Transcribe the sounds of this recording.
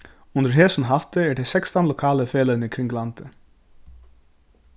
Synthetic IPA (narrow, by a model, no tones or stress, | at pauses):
ʊnt̪əɾɦɛːsʏnɦaht̪ɪɛʈ̪ʰesɛkst̪anlɔwkʰaːlɪfɛːlanɪkʰɾɪŋɡlant̪ɪ